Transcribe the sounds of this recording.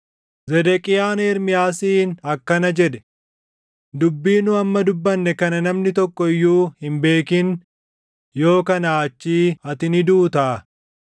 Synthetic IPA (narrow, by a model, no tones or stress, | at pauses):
zɛd̪ɛkʼɪjaːnɛːɾmɪjaːsiːnɐkːɐnɐd͡ʒɛᶑɛ̥ | d̪ʊbːiːnʊɐmːɐd̪ʊbːɐnːɛkɐnɐnɐmnɪt̪ɔkːɔɪjːuːhɪmbe̞ːkɪn | jo̞ːkɐnaːt͡ʃːiːɐt̪ɪnɪd̪uːt̪aː